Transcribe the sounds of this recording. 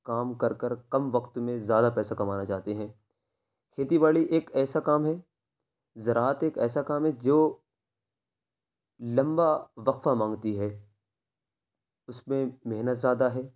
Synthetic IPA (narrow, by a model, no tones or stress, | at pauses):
kaːmkɐɾkəɾkɐmʋɐqt̪mẽzjaːd̪apɛːsakɐmaːnat͡ʃaːt̪eɦɛ̃ː | kʰeːt̪ibaːliʔeːkɛːsakaːmɦɛ | zɐɾaːt̪eːkɛːsakaːmɦɛd͡ʒoː | lɐ̃mbaʋɐqfamãːŋɡt̪iɦɛː | ʊsmẽmeɦnət̪zjaːd̪aɦɛː